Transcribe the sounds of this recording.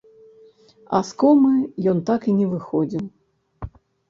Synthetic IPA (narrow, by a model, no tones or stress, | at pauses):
a̰skɔmɨjɔnt̪akinʲɛvɨxɔd͡zʲiw